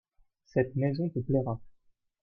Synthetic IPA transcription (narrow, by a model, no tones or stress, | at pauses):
sɛt̪mɛzɔ̃t̪əplɛʁa